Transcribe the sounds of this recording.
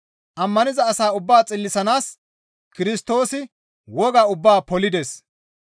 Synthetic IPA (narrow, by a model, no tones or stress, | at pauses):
ʔɐmːɐnɪzɐːsaːʊbːaːt͡sʼɪlːɪsɐnaːs | kɪɾɪst̪o̞ːsɪ | wɔɡaːʊbːaːpɔlɪd̪es